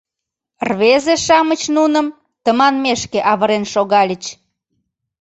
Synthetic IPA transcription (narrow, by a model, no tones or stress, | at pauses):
rβezeʃɑmət͡ɕnunə̆m | t̪əmɑnmeʃkeʔɑβəɾenʃoɣɑlʲət͡ɕ